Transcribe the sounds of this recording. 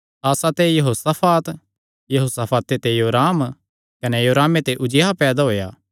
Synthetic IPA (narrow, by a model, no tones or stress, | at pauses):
aːsat̪ejɐɦoːsapʰaːt̪ | jɐɦoːsapʰaːt̪et̪ejoːɾaːm | kɐnejoːɾaːmet̪eʔʊd͡ʒjapɛːd̪aɦoːjaː